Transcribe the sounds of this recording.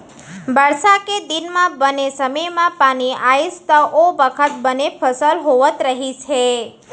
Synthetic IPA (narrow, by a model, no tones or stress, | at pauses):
bəɭʃaked̪inmãbənesəməjmãpañiaist̪əʔoʋəkʰət̪̚bənepʰəsəlɦoʋət̪ɾəɦit͡ʃʰe